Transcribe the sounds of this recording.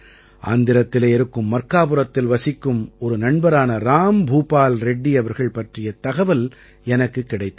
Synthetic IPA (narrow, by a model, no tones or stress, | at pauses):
ʔa̰ːnd̪ɪɾɐt̪ːɪleːɛɾɯkːɯmːɐrkaːpɯɾɐt̪ːɪlʋɐsɪkːɯmɔɾɯnɐɳbɐɾaːnɐɾaːmbʱuːpaːlɾɛɖːiɐʋɐɾɣɐɭpɐʈrɪjɐt̪ɐɣɐʋɐl | ɛnɐkːɯkːɪɽɐɪt̪ː